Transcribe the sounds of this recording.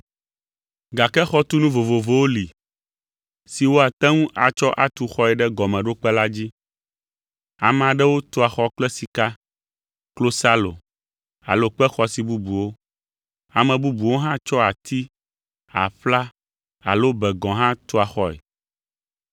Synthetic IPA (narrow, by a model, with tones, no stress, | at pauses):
ɡa˨kɛ˦xɔ˦t̪u˦nũ˦vo˨vo˨vo˨˦wo˦li˨ | si˨wo˦a˨t̪ɛ̃˦ŋũ˦ʔa˨t͡ʃɔ˦ʔa˨t̪u˨xɔ˦ɛ˨ɖɛ˦ɡɔ˨mɛ̃˨ɖo˦k͡pɛ˦la˦d͡ʑi˦ | a̰˨m˨ã˨ɖɛ˦wo˦t̪o˦a˨xɔ˦k͡plɛ˦si˨ka˦ | klo˦sa˦lo̰˨ | a̰˨lo˦k͡pɛ˦xɔ˨si˨bu˦bu˨wo˦ | a˨mɛ̃˨bu˦bu˨wo˦ɦã˦t͡ʃɔ˦a˨t̪ʰi˦ | a̰˨ɸla˦ | a̰˨lo˦bɛ˨ɡɔ̃˨ɦã˦t̪o˦a˨xɔ˦ɛ̰˨